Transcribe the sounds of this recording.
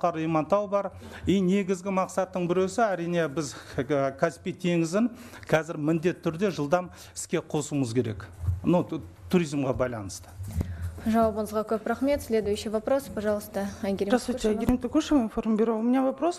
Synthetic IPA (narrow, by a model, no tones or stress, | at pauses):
qɑɾijmɑnt̪ɑwbɑɾine̞ɡʲɪzɡʲɪmɑqsɑt̪ːəɴbɪɾesɪæɾijne̞bɪzkʰaspʲijt̪ʰe̞ŋɪzɪŋ | qʰɑzɪɾmɪnd̪e̞t̪ʰːʏɾd̪e̞ʒəlˠd̪ɑm | ɪ̥skʲe̞qʰo̞suməzkʲʰe̞ɾe̞̰knut̪ʰuɾijzmʁɑbɑjlˠɑ̰nəst̪ə̥ | ʒɑwɑbənəzʁɑkʲʰɵpɾɑχme̞t̪sʲlʲe̞d̪ujʃevapɾo̞spʰɑʒɑlˠəst̪əæɡʲeɾʲeʒast̪aɡʲeɾʲemt̪ɪkʲʰuʃeminfo̞rmbʲeɾewmɪnevapɾos